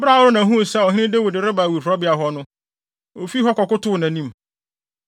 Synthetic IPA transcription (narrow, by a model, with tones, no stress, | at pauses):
bɾa˦˨wʊ˦ɾʊ˦nã˨ɦũ˦˨sɛ˦ɔ˨ɦɪ̃˦nɪ̃˦de˦wʊ˨dɪ˨ɾɪ˦ba˨wi˨ɦʊ˨ɾɔ˦bɪ˦a˨ɦɔ˦nʊ̃˦ | o˨fi˦ɦɔ˦kɔ˨kʊ˦tʊ˦˨nã˨nĩ˦m